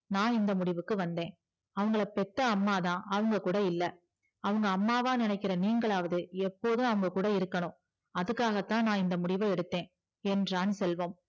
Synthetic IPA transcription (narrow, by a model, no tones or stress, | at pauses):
nãːɪnd̪ɐmʊɽɪʋɯkːɯʋɐnd̪ẽː | ɐʋɐŋɡɐɭɐpɛʈːɐːmːaːðãːʔɐʋɐŋɡɐkuːɽɐɪlːɐ | ɐʋɐŋɡɐːmːaːʋãːnɪnɐɪkːɪɾɐniːŋɡɐɭaːʋɐðɯɛpːoːðɯ̃ɐʋɐŋɡɐkuːɽɐɪɾɯkːɐɳʊ̃ | ɐðɯkːaːɣɐt̪ːãːnãːɪnd̪ɐmʊɽɪʋɐɛɽɯt̪ːẽː | ɛndraːnɯsɛlʋoːm